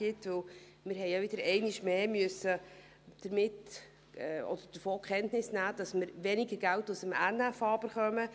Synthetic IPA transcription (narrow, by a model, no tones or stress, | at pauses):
ɪtʋɵl | mɪɾɦɛjɑʋɪd̥əɾɛɪnɪʃmeːmyəsə | d̥əɾmɪt | ɛɔ̰d̥̪əɾd̥əɾfoːkχɛntnɪsnæːd̥ɑsməɾʋɛnɪɡəɾɡæltusəmænːæfɑːb̥əɾχœmə